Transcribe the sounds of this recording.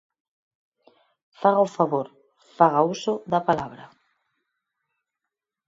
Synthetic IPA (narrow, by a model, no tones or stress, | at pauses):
faɣaofaβoɾ | faɣausoðapalaβɾa̰